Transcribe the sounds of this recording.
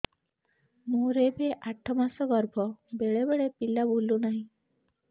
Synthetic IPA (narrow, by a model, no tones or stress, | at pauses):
moɾebeʔaʈʰːɔmasɔɡɔɾbʱɔbeɭebeɭepilːabulːunaɦĩ